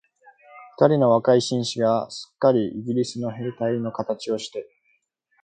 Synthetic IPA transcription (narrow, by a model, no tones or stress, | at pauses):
ɸɯ̥t̪aɾʲino̞βakaiɕĩɰ̃ɕiɡaɕɨ̥kːaɾʲiʔiɡʲiɾʲisɨno̞ɦe̞ːt̪aino̞kat̪at͡ɕio̞ɕi̥t̪e̞